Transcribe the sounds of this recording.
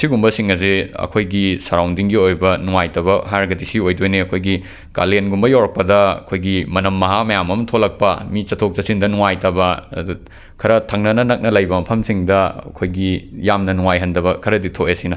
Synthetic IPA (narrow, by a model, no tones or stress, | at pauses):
siɡumbɐsiŋɐziɐ̰kʰojɡisɐɾawndiŋɡiojbɐnuŋajtɐβɐɦaɾɡɐdisiojdojneɐkʰojɡi | ka̰lenɡumbɐjawɾɐk̚pɐdɐɐ̰kʰojɡimɐnɐmːɐɦamɐjamɐmɐtʰolɐk̚pɐmit͡ʃɐtʰok̚t͡ʃɐsindɐnuŋajtɐbɐ̰du | kʰɐɾɐtʰɐŋnɐnɐnɐk̚nɐlɐjbɐmɐpʰɐmsiŋdɐɐ̰kʰojɡijamnɐnuŋajɦɐndɐβɐkʰɐɾɐditʰoʔesinɐ